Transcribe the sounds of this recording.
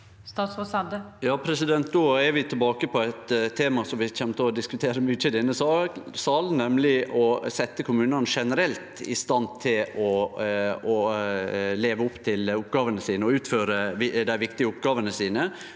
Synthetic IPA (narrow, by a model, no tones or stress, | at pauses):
st̪ɑːt̪sɔsɑt̪əjɑːpʰɾɛsɪd̪ɛnt̪̚d̪oːæɾʋɪt̪ʰɪlbɑːkəpʰɔæt̪ʰːeːmɑsɔmʋɪçɛmːt̪ʰɪlɔd̪ɪskʉt̪ʰeːɾəmʏçəd̪ɪnːəsɑːksɑlnɛmlɪʔɔsɛt̪ːəkʰʊmʉːnənʂɛnəɾɛlt̪ɪ̰st̪ɑnt̪ʰɪlɔ | ɔ | leːʋəʊpːt̪ʰɪlʊpːɡɑːʋənəsiːnəɔʉːt̪føːɾəʋd̪æɪʋɪkt̪ɪəʊpɡɑːʋənəsiːnə